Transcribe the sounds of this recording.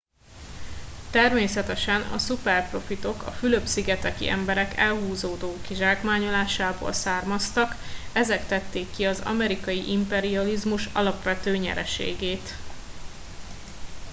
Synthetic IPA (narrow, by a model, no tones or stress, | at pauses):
t̪ɛrmeːsɛt̪ɛʃɛnɒ̰supɛrpro̞fit̪o̞kɒ̰fyløbsiɡɛt̪ɛkḭʔɛ̰mbɛɾɛkɛlɦuːzoːd̪oːkiʒaːkmaːɲolaːʃaːbo̰ːlsaːrmɒst̪ɒkɛzɛkt̪ɛt̪ːeːkːiɒzɒ̰mɛɾikɒjiʔimpɛɾiɒlizmuʃɒ̰lɒpʋɛt̪øːɲɛ̰ɾɛ̰ʃḛːɡeːt̪